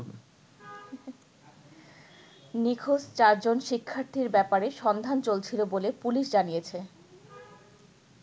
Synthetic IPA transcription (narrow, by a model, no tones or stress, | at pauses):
nikʰost͡ɕaɾd͡ʑonʃikʰːaɾt̪ʰiɾbɛpaɾeʃɔnd̪ʱant͡ɕolt͡ɕʰilobolepuliʃd͡ʑanijet͡ɕʰe